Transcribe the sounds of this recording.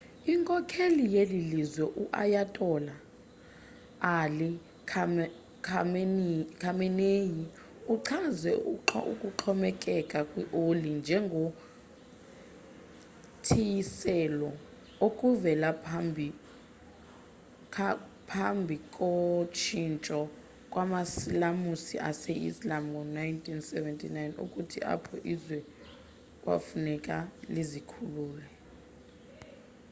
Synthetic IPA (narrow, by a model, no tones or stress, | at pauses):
iŋkʼɔkʰelijelilizwɛʔuʔa̰jatʼɔla | ali | kʰa | kʰamkʰamɛneji | uǁʰazɛʔṵkʼuǁʰɔmɛkʼɛkʼakʼwiʔolind͡ʒʱɛŋɡʱo | tʰijisɛlɔ | okʼuvɛlambʱi | pʰambʱikʼɔt͡ʃʰint͡ʃʼɔ | kʼwamasilamusḭʔa̰sɛʔḭslamŋɔnajntʰʼinsɛvɛntʰʼinajnṵkʼutʰiʔa̰pʰɔʔizwɛ | kʼwa̰funɛkʼalizikʰuluːlɛ